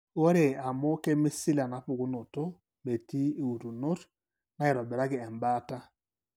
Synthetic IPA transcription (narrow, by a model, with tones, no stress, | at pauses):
wo˦ɾe˨a˨mo˦ke˦mi˦si˦la˨na˨pʊ˨ku˦no˨to˦ | me˨ti˦e˨u˨ɾu˨no˦t | na˦e˨ɾɔ˨bɛ˨ɾa˦ɡɪ˨ɛ˨mbaː˦ta˦